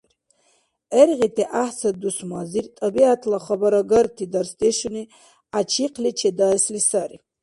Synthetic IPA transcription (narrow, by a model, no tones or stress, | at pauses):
ɛɾʁit̪ʰiʔaħsɐd̪usmazirt̪ʼɐbiat̪ʰlaχɐbaɾaɡɐɾt̪ʰid̪ɐɾst̪ʰʼeʃuni | at͡ʃʰiqʰlit͡ʃʰed̪aslisaɾi